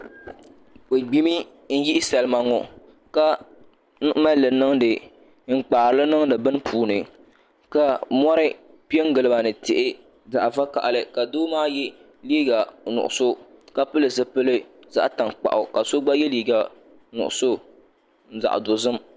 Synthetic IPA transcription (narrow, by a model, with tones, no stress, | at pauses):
k͡pe˨ɡ͡bi˦mi˦ | n̩˦ji˦sɛ˨lɨ˨˦ma˨ŋɔ˨ | ka˦ | ma˦lɨ˨nɨ˦ŋdɨ˨ | ŋ̩˦k͡paː˨ɾɨ˨lɨ˦nɨ˦ŋdɨ˨bɨ˦n˦pʰuː˨nɨ˨ | ka˨mɔ˦ɾɨ˦ | pi˦ɛ˦ŋ˦ɡɨ˨lɨ˦ba˨nɨ˨tɪ˨ʔɪ˦ | za˨ʔva˦ka̰˨ʔlɨ˨ka˨doː˦maː˦jɛ˦ | liː˦ɡa˨nʊ̰˨ʔʊ̰˨so˦ka˦pɨ˦lɨ˨zɨ˦pɨ˦lɨ˦ | za̰˦ʔta˨ŋk͡pa̰˨ʔʊ˨ka˨so˦ɡ͡ba˦jɛ˦liː˦ɡa˨ | nʊ̰˨ʔʊ̰˨so˦ | n̩˦za̰˨ʔdo˨zɨ˦m